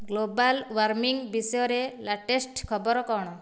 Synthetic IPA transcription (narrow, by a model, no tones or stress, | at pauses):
ɡlobalwaɾmiŋbisɔjɔɾelaʈesʈkʰɔbɔɾɔkɔɽ̃ɔ